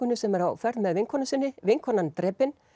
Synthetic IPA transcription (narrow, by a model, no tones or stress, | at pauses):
ʏnːʏsɛmɛɾa̰wfɛɾt̪nmɛðvɪŋkʰɔnasɪnːɪvɪŋkʰɔnant̪ɾɛːpɪn